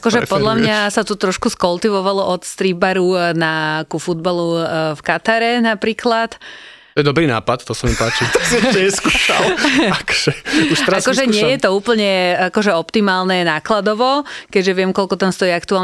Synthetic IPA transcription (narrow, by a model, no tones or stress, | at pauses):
akɔʒɛpɔd̪lamɲasat̪ut̪ɾɔʃkuskɔlt̪iʋɔʋalɔʔɔt̪st̪ɾiːbaɾunakufud̪̚balufkat̪aɾɛnapɾiːklat̪ | ɔjɛd̪ɔbɾiːna̰ːpat̪t̪ɔsamipaːt͡ʃit̪aksiɛɲɛskuʃa̰lakɔ̥ʒ̥ɛuʃt̪ɾakɔʒɛɲɪɛjɛt̪ɔuːpl̩ɲɛakɔʒɛɔpt̪imaːlnɛnaːklad̪ɔʋɔkɛɟʒɛʋɪɛmkɔlkɔt̪amst̪ɔiːakt̪uaːl